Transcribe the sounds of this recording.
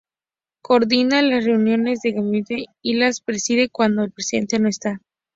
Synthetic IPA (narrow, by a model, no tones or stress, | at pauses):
ko̞ɾðinalasre̞unjo̞ne̞zðe̞ɣamit̪eilaspɾe̞siðe̞kwand̪oelpɾesiðe̞̰nt̪e̞no̞e̞st̪a